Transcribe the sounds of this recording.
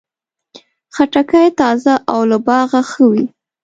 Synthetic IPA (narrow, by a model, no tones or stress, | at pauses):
xaʈakajt̪ɑzaʔawlabɑɣaxəwi